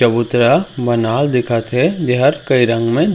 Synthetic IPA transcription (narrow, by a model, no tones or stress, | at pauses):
ɐbʊt̪ɾəbɐnaːld̪ɪkʰət̪ɦɛd͡ʒeɦəɾkɐiɾə̃ŋɡmẽ